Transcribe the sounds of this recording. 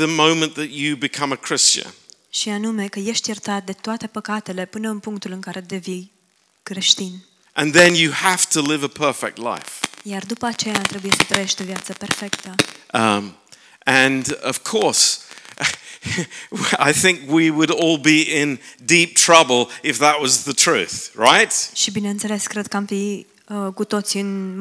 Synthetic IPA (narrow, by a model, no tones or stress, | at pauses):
ðɨmõʊ̃mɨ̃nðɨt͡ʃɨbɨkʰʌ̃mɨkʰɹ̥ɪst͡ʃɨ̰̃nʃianume̞kəje̞ʃt̪jert̪at̪̚d̪e̞t̪oat̪e̞pəkat̪e̞le̞pɨnəɨnpuŋk̚t̪ulɨŋkaɾe̞d̪evi | kɾeʃt̪in | ʔɨ̃nðɨ̃njɨhæftʰəlɪvəpʰɜ˞fɛ̰k̚tˡla̰ɪfjard̪upəat͡ʃe̞jat̪ɾe̞buje̞sət̪ɾəje̞ʃt̪o̞vjat̪səpe̞rfe̞kt̪əʔ | ʔɨ̃nʌv̥kʰɔɹs | a̰ɪθɪ̃ŋkwiwəɾɔlˠbiɪ̃ndip̚tʰɹ̥ʌbəl̩ˠɨfðəʔ̚wʌzðɨtʰɹ̥ʉ̰θɹaɪt̚ʃibine̞ɨnt̪se̞le̞skɾe̞d̪̚kəamfi | əkut̪o̞t̪siɨn